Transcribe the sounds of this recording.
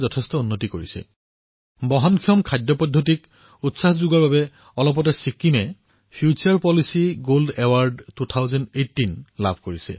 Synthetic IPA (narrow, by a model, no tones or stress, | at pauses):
zɔtʰɛstɔunːotikoɹisɛ̰ | bɔɦɔnkʰiɔmkʰajdjɔpɔdʱːotik | utsahzuɡaɹbabɛ | ɔlɔp̬ɔtɛsikːimɛ | pʰijut͡ʃaɹpɔlisiɡoldɛwaɹdtutʰaʊzɔnejtːinla̰bʱkoɹisɛ̰